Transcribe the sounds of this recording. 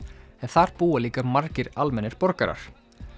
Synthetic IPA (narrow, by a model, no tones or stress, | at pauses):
ɛnθaɾpuːaliːkamaɾcɪɾalmɛnːɪɾ̥pɔɾkaɾa̰ɾ̥